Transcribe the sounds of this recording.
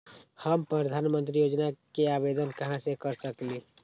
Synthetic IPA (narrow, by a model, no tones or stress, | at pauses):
həmpɾəd̪ʱaːnmə̃nt̪̬ɾijoːd͡ʒnakeaːbed̪ənkɐɦãsekəɾsəkli